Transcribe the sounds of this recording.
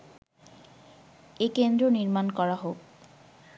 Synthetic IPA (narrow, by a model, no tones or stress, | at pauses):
ekend̪ɾoniɾmankɔɾaɦok